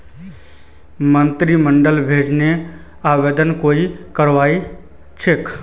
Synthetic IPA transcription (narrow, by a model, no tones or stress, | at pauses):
mənt̪ɾiməɳɖəlbʱed͡ʒne | aʋed̪ənkoikəɾʋai | t͡ʃʰek